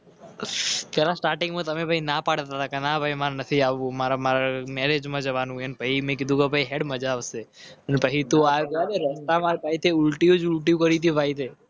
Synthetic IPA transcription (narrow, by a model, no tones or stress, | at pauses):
pɛlasʈaɾʈɪ̃ŋɡmãt̪əmebʱainapaɽt̪at̪akenabʱaimaɾnət̪ʰiaʋũmaɾamaɾamɛɾed͡ʒmãd͡ʒəʋanũənepaimẽkid̪ʱũkebʱaiɦeɽməd͡ʒaʋseənpəɦit̪oaaneɾɛsʈamãbʱait̪eʊlʈiud͡ʒʊlʈiukəɾit̪ibʱajt̪ʰe